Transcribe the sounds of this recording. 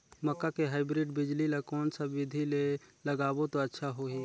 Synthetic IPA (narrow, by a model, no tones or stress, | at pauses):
məkːakeɦaːɪbɾɪɖbɪd͡ʒlilekɔːnsabɪd̪ʱileləɡaːbot̪oətːʃʰaɦoɦi